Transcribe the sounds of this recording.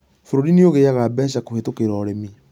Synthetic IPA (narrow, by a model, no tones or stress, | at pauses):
foɾoɾinioɣejaɣabɛɕ̬akohetokeɾɔːɾemi